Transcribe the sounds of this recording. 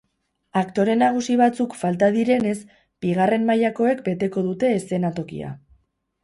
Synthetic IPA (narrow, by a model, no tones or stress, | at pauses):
akt̪o̞ɾe̞naɣ̞usiβat͡sukfalt̪aðiɾe̞ne̞s | b̥iɣ̞are̞mmajako̞e̞k̚be̞t̪e̞ko̞ðut̪e̞ːse̞nat̪o̞kḭa̰